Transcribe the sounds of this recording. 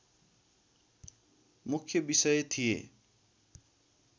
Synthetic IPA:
mukʰjʌbisʌjt̪ʰijḛ

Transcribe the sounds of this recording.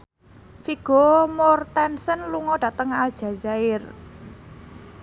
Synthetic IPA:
fiɡ̥ɔmɔrt̪ɛnsənluŋɔɖ̥ä̤t̪əŋald̥ʒ̥ä̤zaɪr

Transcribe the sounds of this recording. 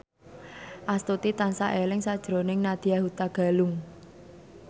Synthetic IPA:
ʔast̪ut̪it̪ansa̰ʔelɪŋsad̥ʒ̥ɾo̤nɪŋnad̪̥iaɦut̪aɡ̥a̤lʊŋ

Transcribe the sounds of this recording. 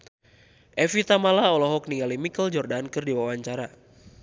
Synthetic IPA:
ʔɛfit̪amalaɔlɔɦɔk̚niŋalimikəld͡ʒɔrdankɨrdiwawaɲt͡ʃaɾa

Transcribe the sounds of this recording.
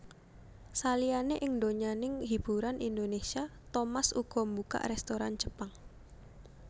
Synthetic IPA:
salijaneʔɪŋndoɲanɪŋɦib̥ṳɾanʔind̪onesiat̪omasṵɡ̥ɔ̤mbuka̰ʔrɛst̪oɾand͡ʒə̥paŋ

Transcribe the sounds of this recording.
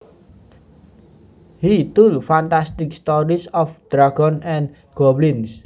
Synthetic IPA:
hit̪ulfant̪ast̪ɪk̚st̪ɔɾisɔfd̪̥ɾaɡɔnɛ̃n | ɡ̥ɔblins

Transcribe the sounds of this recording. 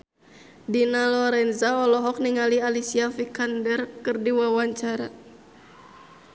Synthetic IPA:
dinalɔɾɛnzaɔlɔɦɔk̚niŋalialisiafikandɛrkɨrdiwawaɲt͡ʃaɾa

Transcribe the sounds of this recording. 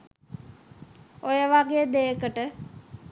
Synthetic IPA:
ojəʋaɡejəd̪ejəkəʈə

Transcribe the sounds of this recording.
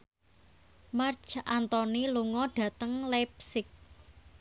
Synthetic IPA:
mart͡ʃʔant̪ɔniluŋɔɖ̥ä̤t̪əŋlɛp̚sɪk̚

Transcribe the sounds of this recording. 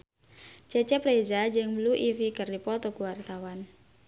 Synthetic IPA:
t͡ʃɛt͡ʃɛpɾezad͡ʒɨŋmluʔifikɨrdipɔt̪ɔkuwart̪awan

